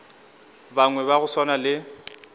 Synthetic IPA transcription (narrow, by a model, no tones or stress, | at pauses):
baŋwɛβaɣʊswanalɪ